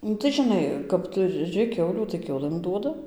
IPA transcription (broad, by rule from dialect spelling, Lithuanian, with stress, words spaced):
ˈnʊ tɐɪ ʒʲɪˈnɐɪ kɐp tʊˈrʲɪ ˈkʲɛʊlʲuː tɐɪ ˈkʲɛʊlˠɘm ˈduɔdɐ